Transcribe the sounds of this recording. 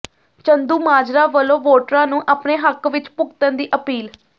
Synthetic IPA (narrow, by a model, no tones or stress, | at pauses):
t͡ʃənd̪uːmaːd͡ʒɾaːʋəlõːʋoːʈɾãːnũːʔaːpneːɦəkʋɪt͡ʃpʊɡt̪ənd̪iːʔəpiːl